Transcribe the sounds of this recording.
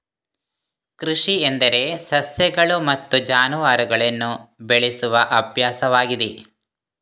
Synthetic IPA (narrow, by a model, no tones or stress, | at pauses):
kɾuʂiend̪ɐɾe̞sɐsjɐɡɐɭumɐt̪ːud͡ʒaːnuʋaːɾuɡɐɭɐnːubeɭisuʋɐʔɐbʱjaːsɐʋaːɡid̪e